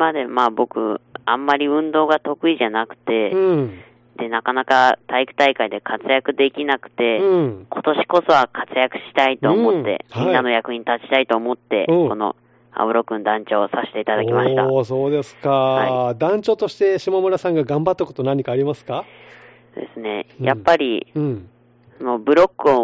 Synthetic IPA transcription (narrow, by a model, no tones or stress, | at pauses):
mad̪e̞maːbo̞kɯ̟̰ãmːaɾʲiɯ̟̃nd̪o̞ːɡat̪o̞kɯ̟iʑanakɯ̟̥t̪e̞ | d̪̥e̞nakanakat̪aikɯ̟̥t̪aikaid̪e̞kʰat͡sɨjakɯ̟d̪e̞kʲinakɯ̟̥t̪e̞kʰo̞t̪o̞ɕi̥ko̞so̞βakʰat͡sɨjakɯ̟̥ɕi̥t̪ait̪o̞ːmmo̞t̪ːe̞̰hinːano̞jakɯ̟ɲĩt̪at͡ɕi̥t̪ait̪o̞ːmo̞t̪ːe̞̰ko̞no̞̰ | a̰bɯ̟ɾo̞kːɯ̟̃nd̪ãɲ̟t͡ɕo̞ːsaɕe̥t̪e̞it̪ad̪akʲimaɕi̥aso̞ːd̪e̞sɨ̥kaad̪ãɲ̟t͡ɕo̞ːt̪o̞ɕi̥t̪e̞ɕimamoɾasãŋɡaɡãmbat̪ːako̞t̪o̞nãɲ̟ikaːɾʲimasɨ̥ka | d̪̥e̞sɨne̞jʔa̰pːaɾʲḭɯ̃ | sono̞bɯ̟ɾo̞kːɯ̟o